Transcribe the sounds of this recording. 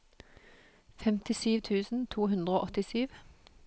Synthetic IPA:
fɛmt̪ɪsyːʋt̪ʰʉːsn̩t̪ʰuːɦʉnd̪ʁəoːʔɔt̪ɪsyːʋ

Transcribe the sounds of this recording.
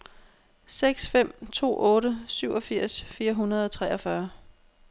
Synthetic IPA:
seɡ̥sfem̰t͡sʰo̝̰ːɔ̽ːɾəsyʊ̰ɒ̽fiɐ̰sfiːɐɦunɐð̞̩ˠɒ̽t͡sʰʁɛʔɒ̽fɶɐ

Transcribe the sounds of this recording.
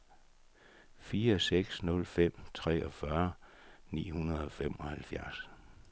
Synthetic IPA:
fiːɐseɡ̥snɔ̽lfem̰t͡sʰʁɛ̰ːɒ̽fɶɐnḭːhunɐð̞̩ˠɒ̽fem̰ɒ̽hælfjæɐs

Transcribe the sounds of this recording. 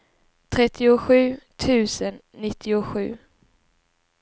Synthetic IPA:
t̪ʰɾɛt̪ʰːɪʊɧʉ̟ːt̪ʰʉ̟ːsənːɪt̪ʰːɪʊɧʉ̟ː

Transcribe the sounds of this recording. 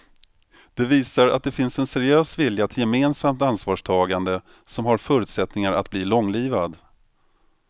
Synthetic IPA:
d̪̥ɛviːsaɾa̰t̪̚d̪ɛfɪnsɛnsɛɾɪøːsvɪljat̪ʰɪljɛmeːnsamt̪ansvɑːʂtʰɑːɡand̪ə | sɔmhaɾfœːɾɵʉːt̪sɛt̪nɪŋaɾʔa̰t̪̚bliːlɔŋliːvad̪

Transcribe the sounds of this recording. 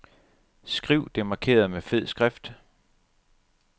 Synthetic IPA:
sɡ̥ʁiʊ̰d̥e̝mɑ̈kʰe̝̰ːɐð̩ˠmefe̝ð̰ˠsɡ̥ʁɛfd̥

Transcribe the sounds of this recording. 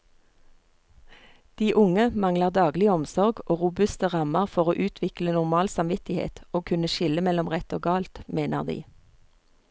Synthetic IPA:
d̪̥iːʔʊŋəmɑŋləʁd̪ɑːɡlɪəɔmsɔʁɡoːʁʊbʉst̪əʁɑməʁfɔʁoːʔʉːt̪ʰʋɪklənʊʁmɑːlsɑmʋɪt̪ɪhḛːt̪oːkʰʉnəʃɪləmɛlɔmʁɛt̪oːɡɑːlt̪meːnə̰ʁd̪ḭː

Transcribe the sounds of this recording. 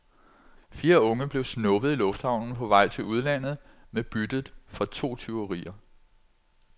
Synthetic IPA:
fiːɐɔ̽ŋəb̥le̝ʊsnɔ̽b̥ð̞̩ˠilɔ̽fd̥hɑ̈ʊnn̩pʰɒ̽ʋɑ̈ɪ̰t͡sʰe̝luð̞ˠlæn̰ð̞̩ˠ | meb̥yd̥ð̩ˠfɒ̽t͡sʰo̝̰ːt͡sʰe̝ʊʁḭːɐ

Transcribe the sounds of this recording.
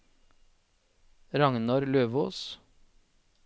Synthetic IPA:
ɾɑŋnɑɾløːʋoːs

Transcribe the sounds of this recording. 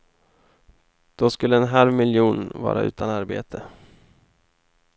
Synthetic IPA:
d̪̥ɔskɵlːəɛnɦalvmɪljuːnvɑ̰ːɾa̰ʔʉ̟ːt̪ʰanaɾbḛːt̪ʰə

